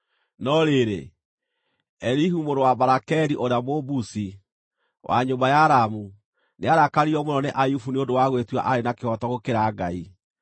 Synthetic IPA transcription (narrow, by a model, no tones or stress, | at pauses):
nɔɾeɾḛ | ɛɾiɦumoɾowabaɾakɛɾiʔoɾamobusi | wʔa̰ɲombajaɾamu | neaɾakaɾiɔmonɔneʔajufuneondowaɣwetwa̰ʔaɾenakehɔtɔɣokeɾaɡai